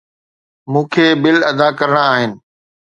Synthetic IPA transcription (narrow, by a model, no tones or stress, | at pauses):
mũːkʰeːbɪlɐd̪akɐɾəɽ̃aːɦɪnɪ̆